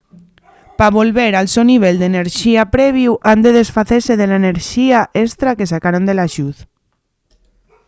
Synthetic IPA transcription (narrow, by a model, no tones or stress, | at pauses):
paβolβeɾalsewniβ̞eld̪eneɾʃiapɾɛβ̞iuʔand̪eðesfaθeseðeleneɾʃiaʔest̪ɾakes̬akaɾond̪elaʃut̪